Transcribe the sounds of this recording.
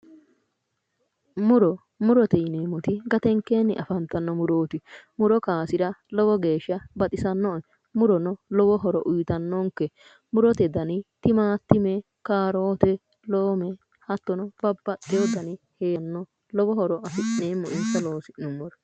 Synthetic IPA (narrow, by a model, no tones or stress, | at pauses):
mʊɾɔ | mʊɾɔt̪ɛjneːmɔt̪ɪɡɐt̪ɛŋkːeːnːɪ̰ʔɐfɐnt̪ːɐnːɔmʊɾoːt̪ɪmʊɾɔkaːsɪɾɐlɔbɔɡe̞ːʃːɐbɐt̪ʼɪsɐnːɔn | mʊɾɔnɔlɔbɔɦɔɾɔ̰ʔʊjt̪ɐnːoŋkːɛ | mʊɾɔt̪ɛd̪ɐnɪt̪ɪmaːt̪ːɪmɛ | kaːɾoːt̪ɛ | loːmɛ | hɐt̪ːɔnɔb̥ɐbːɐʔɛjɔd̪ɐnɪheːɐnːɔ | lɔbɔɦɔɾɔʔɐfɪʔneːmːɔʔɪnsɐloːsɪʔnʊmːɔɾɐ